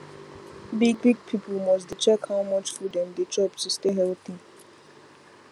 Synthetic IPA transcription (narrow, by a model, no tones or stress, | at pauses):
biɡ̚biɡ̚pʰipʰəlmɔs̬dit͡ʃɛkhawmʌt͡ʃfɔdɛ̃nd̪ed͡ʒɔbtusteɦɛlt̪i